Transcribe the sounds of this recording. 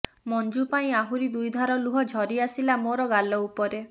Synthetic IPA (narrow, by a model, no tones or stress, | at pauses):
mɔnd͡ʒupaĩaɦuɾid̪ujd̪ʱaɾɔluɦɔd͡ʒʱɔɾiasilamoɾɔɡalɔupɔɾe